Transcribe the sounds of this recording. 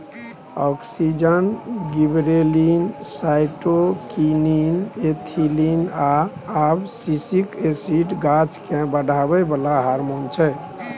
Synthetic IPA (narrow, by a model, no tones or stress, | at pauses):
ɔksid͡ʒənɡibɾelinsajʈokininet̪ʰilinaː | bsisikesiʈɡat͡ʃkẽbəɖʱabəbəlaɦaɾmont͡ʃʰɛ